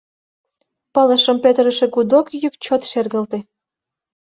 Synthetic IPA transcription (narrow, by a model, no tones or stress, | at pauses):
pɑlə̆ʃə̆mpøt̪əɾə̆ʃĕkud̪okjykt͡ɕot̪ʃerɣə̆lt̪ĕ